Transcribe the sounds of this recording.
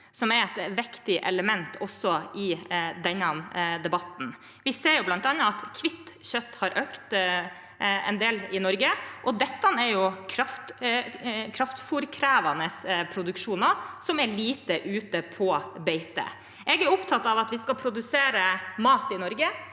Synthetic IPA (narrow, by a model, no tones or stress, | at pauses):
sɔmɛɾɛt̪ʋɛkt̪ɪʔɛ̰ləmɛnt̪ʰɔsːɔɪd̪ɛnːɑmd̪ɛbɑt̪n̩ | ʋɪseːɾjʊblɑnt̪ɑnːɑɑt̪kʰʋɪt̪ːçœt̪ːhɑɾʔøːkt̪ | ɛ̰nd̪eːlɪnɔɾɡəʔɔd̪ɛt̪ːɑnæɾjʊkʰɾɑft̪ | kʰɾɑft̪fʊɾkʰɾæːʋɑnəspʰɾʊd̪ʉkʂuːnɑsɔmæɾɭiːt̪əʔʉːt̪əpʰɔbɛɪt̪ə̰ | ʔɛɡæɾʊpt̪ʰɑt̪ːɑʋɑt̪ʋɪskɑpʰɾʊd̪ʉseːɾəmɑːt̪ɪnɔɾɡə